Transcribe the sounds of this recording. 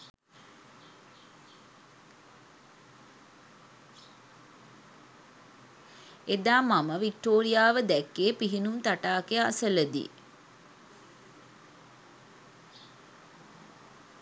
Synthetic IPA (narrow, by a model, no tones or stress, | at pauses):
ed̪aːmaməʋik̚ʈoːɾijaːʋəd̪ɛkːeːpiɦinumt̪aʈaːkejəa̰sələd̪ḭː